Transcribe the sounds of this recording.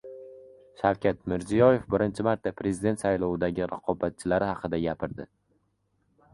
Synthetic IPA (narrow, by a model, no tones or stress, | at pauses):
ʃawkʲʰat̪mɪɾzijɒje̞fbɪɾɪnt͡ʃʰɪmaɾt̪ːapɾe̞zid̪e̞nt̪sajlˠɒwɪd̪aɡʲɪɾaqʰɒbat̪̚t͡ʃʰɪlaɾɪhɑqʰɨd̪aɡʲapʰɪɾd̪ɪ